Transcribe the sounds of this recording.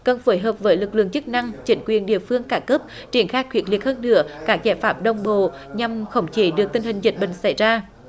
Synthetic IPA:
kə˧˩nfo˨˦jɦəː˨˩p̚vəː˨˦jlɨ˨˩k̚lɨ̰˧˨əŋt͡ɕɨ˦˥k̚na˧ŋt͡ɕï˨˦ŋ̟kwḭ˨ənɗḭ˧˨əfɨ˧əŋkaː˧˩kəː˦˥p̚ | t͡ɕi˧˩ənxaː˦˥jkwi˨˩ət̚li˨˩ət̚həː˧nːɨ̰˧˥əkaː˦˥k̚zaː˧˩jfaː˦˥p̚ɗə˨˩wŋ͡mɓo̰˧˨ɲa˧mxə˧˩wŋ͡mt͡ɕi˨˦ɗɨ˨˩ək̚t̪i˧ŋ̟hï˨˩ŋ̟zi˨˩t̚ɓï˧˨ŋ̟sa˧˩jzaː˧

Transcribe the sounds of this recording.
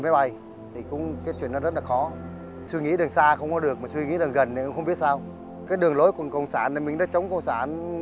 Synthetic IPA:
ma˨˦jɓa˨˧˩j | t̪ʰi˨˩kʊ̰˧˥ŋ͡mkaː˨˦jt͡ɕwi˧˨ənːɔ˨˦zə˦˥t̚laː˨˩xɔ˨˦ | swi˧ŋḭ˧˥ɗɨ˨˩əŋsaː˧xə˧wŋ͡mkɔ˨˦ɗɨ˨˩ək̚maː˨˩swi˧ŋḭ˧˥ɗɨ˨˩əŋɣə˨˩nːe˨˩˨ə̰˧ŋ͡mxə˧ŋ͡mɓi˦˥ət̚saː˧w | kaː˨˦jɗɨ˨˩əŋlo˨˦jku˧˩əkə˧wŋ͡msaː˧˩nːe˨˩mï˨˩ŋ̟ɗaː˧˦˥t͡ɕə˨˦wŋ͡mkə˧wŋ͡msaː˧˩n

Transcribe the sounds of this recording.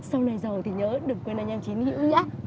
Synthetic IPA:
sa˧wna˨˩jzə˨˩wt̪ʰi˨˩ɲəː˨˦ɗɨ˨˩əŋkwnlaː˧˩ɲɛ˧mt͡ɕi˨˦nhḭ˧˨əwɲaː˦

